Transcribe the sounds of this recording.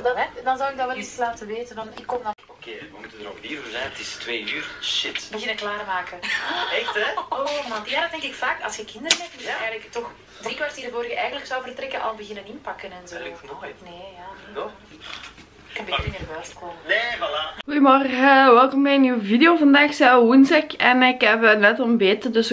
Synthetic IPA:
ddɑnzɔwɪɡ̚dɑʋɛlislaːtəʋeːtəndɑnɪkːɔmdokeːʋəmutədəɾo̰vdiːɾvozɛjnətɪstʋeːyːrʃɪtbəɣɪnəklaːrmaːkəɛxtɛomadaːdtdɛŋkɪkfaːkɑ̰lˠsxəkɪndəɾənɦɛp̚tɛːɣələktɔx | drikwartidəvoːɾəɣəʔɛjɣənləksɔwvərtrɛkəʔɑ̰lˠbəɣɪnənɪnpɑkənɛnzoːneːjaː | kəbɾmeːrəʋɛːstkoːməeujmɔrɣəʋɛlˠkɔmɛnyːwəvideoːvɑndaːxsɛwwunsɛkɛnɪkɛpənɛtɔmbeːtədɵs

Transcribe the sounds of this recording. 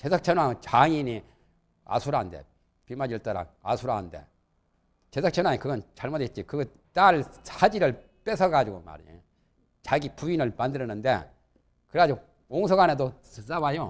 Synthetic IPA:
t͡ɕesʰʌk̚t͡ɕʰʌnwaɡot͡ɕaŋiɲi | a̰sʰuɾande̞̰ | pimad͡ʑiɭt͈aɾa̰a̰sʰuɾande̞̰ | t͡ɕesʰʌk̚t͡ɕʰʌnwaŋikɯɡʌnt͡ɕaɭmʌdet̚t͡ɕikɯɡʌ | t͈aɭsʰad͡ʑiɾɯɭ | p͈e̞sʰʌɡad͡ʑiɡoma̰ɾ | t͡ɕaɡipuinɯɭmandɯɾʌnɯnde̞̰ | kɯɾead͡ʑo | oŋsʰoɡane̞do | s͈abajo

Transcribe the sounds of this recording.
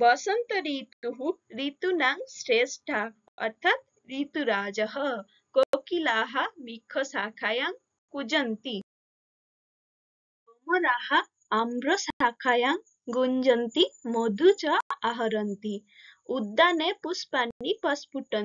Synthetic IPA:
bəsənt̪əɾiːtt̪ːuɦũɾit̪unaŋsɾesʈʰa | ə̰ɾt̪ʰat̪̚ | ɾit̪uɾaːd͡zəɦə | kokilaːɦamikʰəsakʰajaŋ | kud͡ʑənt̪i | ɔmɔɾahaː | mɾɔsakʰajaŋ | ɡuɲd͡ʒənt̪imɔd̪ʱut͡ɕəaɦɐɾənt̪i | ud̪ːanepuspanːipɐspuʈən

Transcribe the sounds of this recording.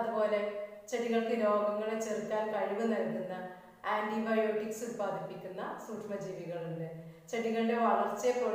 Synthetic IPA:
ðɨpo̞ːle̞ | t͡ɕeɽiɣɐɭkɨlo̞ːɡɐŋːɐɭet͡ɕːerik̪ːaːnkɐɻiʋunɐlkːunːɐ | aːɳɖibɐjo̞ːʈːiksubaːd̪ʱipːikʲːunːɐ̰suːʈʂmɐd͡ʑiːʋiɣɐɭeɳɖɨt͡ɕeʈiɣɐɭɨɽe̞ʋɐɭɐrt͡ɕːepːo

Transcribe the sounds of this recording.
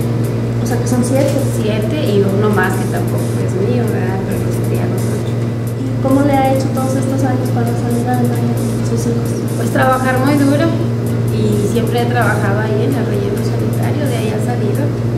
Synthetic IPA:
oseakesonsjeɾt̪efisjent̪eionomaske̞t̪ampo̞koḛsmeðjonalpeɾokosent̪ḭa̰losat͡ʃo | ko̞mo̞le̞ae̞t͡ʃo̞t̪o̞ðose̞st̪o̞saɲo̞spaðasaʎuðaɾenajeesusixos | est̪ɾaβaxaɾmujðuɾo | isje̞mpɾeet̪ɾaβaxaðoaienlalreʝenosanit̪a̰ɾjoðeaiasaliðo

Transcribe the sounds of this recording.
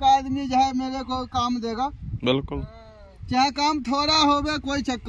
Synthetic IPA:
kaəd̪mid͡ʒəɦɛmeːɾekoikaːmd̪eːɡabɪlkʊl | t͡ʃaɦɛ̃kaːmt̪ʰoːɾaɦobekoːit͡ʃəkː

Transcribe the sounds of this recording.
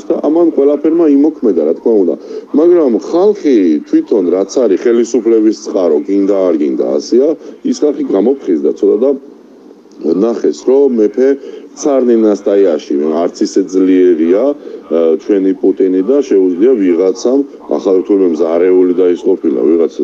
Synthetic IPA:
d̪aʔamanqʼwɛlapʰɛɾmaimɔkʰmɛd̪aɾat̪ʰkʰmaund̪a̰maɡɾamχalˠχit̪ʰwit̪ʰɔnɾat̪sʰaɾiχɛlisupʰlɛbist̪sʼqʼaɾɔɡind̪aːɾɡind̪a̰ːsɛaisχalˠχiɡamɔpʰχizd̪at̪sʰɔt̪ʼad̪a | naχɛsɾɔmɛpʰɛt̪sʰaɾnɛnast̪ʼajaʃiaɾt̪sʰisɛd̪zliɛɾia | t͡ʃʰwɛnipʼut̪ʼinid̪aʃɛud̪zliaviʁat̪sʰam | a̰χavɛt̪ʰulɛbɛmzaɾɛulid̪aisqʼɔpʰila̰viʁat̪sʰ

